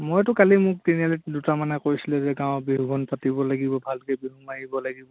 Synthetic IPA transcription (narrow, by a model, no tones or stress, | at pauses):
mojtʊkalimʊk̚tinialitdutamanɛkojsilɛzɛɡãwbiɦuɡʱɔnpatibɔlaɡibɔbʱalkɛbiɦumaɦibɔlaɡibɔ